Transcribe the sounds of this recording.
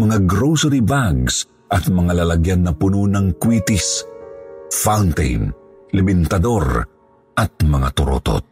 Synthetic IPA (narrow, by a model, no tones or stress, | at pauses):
mɐŋaɡɾowsɛɾibaɡs | ʔɐt̪̚mɐŋalalɐɡjanːɐpʊnunɐŋkwit̪is | fawnt̪ɛ̰jn | lɛbɪnt̪ɐd̪o̞ɾ | ʔɐt̪̚mɐŋa̰t̪ʊɾo̰t̪o̰t̪̚